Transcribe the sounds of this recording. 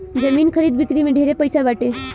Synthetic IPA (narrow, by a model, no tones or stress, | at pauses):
d͡ʒəmiːnkʰəɾiːd̪̚bʱit̪ɾimẽɖʱeɾepəjsaʋaʈe